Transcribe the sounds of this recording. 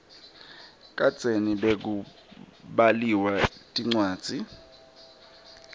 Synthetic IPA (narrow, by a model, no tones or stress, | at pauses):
kʼḁt͡seniɓek̬u | ɓaliwatʼiŋ͡ǀwaːd̥d͡z̥ʱi